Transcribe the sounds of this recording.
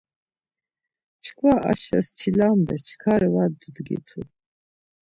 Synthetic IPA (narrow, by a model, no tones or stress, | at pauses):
t͡ʃʰkʷʰaʔa̰ʃa̰st͡ʃʰilambɛst͡ʃʰkʰaɾiwad̪ud̪ɡḭt̪ʰu